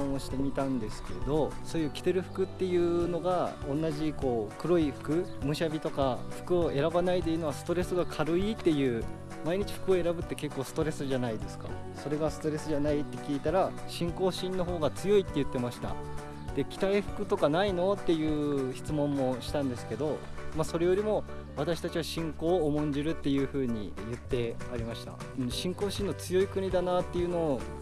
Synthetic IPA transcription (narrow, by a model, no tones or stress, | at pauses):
õoɕi̥t̪e̞mʲit̪ãnd̪e̞sɨ̥ke̞ɾe̞̰d̪o̞so̞ːjɯ̟kʲi̥t̪e̞ɾɯ̟ɸɯ̥kɯ̟t̪ːe̞jɯ̟ːno̞ɡaõ̞nːaʑiko̞ːkɯ̟ɾo̞iɸɯ̥kɯ̟mɯ̟ɕiabʲit̪o̞kaɸɯ̟̥kɯ̟o̞e̞ɾabanait̪ejɯno̞βasɨ̥t̪o̞ɾe̞sɨɡakʰaɾɯ̟it̪ːe̞jɯ̟ː | maiɲ̟it͡ɕi̥ɸɯ̥kɯo̞e̞ɾabɯ̟t̪ːe̞ke̞kːo̞ːsɨ̥t̪o̞ɾe̞sɨʑanaid̪e̞sɨ̥ka̰ | so̞ɾe̞ɡasɨ̥t̪o̞ɾe̞sɨʑanait̪ːe̞kʲiːt̪aɾaɕĩŋko̞ːɕĩnːo̞ɦo̞ːɡat͡sɨjo̞it̪ːeɯ̟t̪ːe̞maɕi̥t̪a̰ | d̪̥e̞kʲi̥t̪aiɸɯ̥kɯ̟t̪o̞kanaino̞t̪ːe̞jɯ̟ːçi̥t͡sɨmõ̞mːo̞ɕi̥t̪ãnd̪e̞sɨ̥ke̞d̪o̞maso̞ɾe̞jo̞ɾʲimo̞βat̪aɕi̥t̪at͡ɕiβaɕĩŋko̞ːmõ̞ɲ̟d͡ʑiɾɯ̟t̪ːe̞jɯ̟ːɸɯ̟ːɲ̟ḭjɯ̟t̪ːe̞aɾʲimaɕi̥t̪a̰ | ɯ̟̃ɕĩŋko̞ːɕĩnːot͡sɨjo̞ikɯ̟ɲ̟id̪anaːt̪ːe̞jɯ̟no̞ː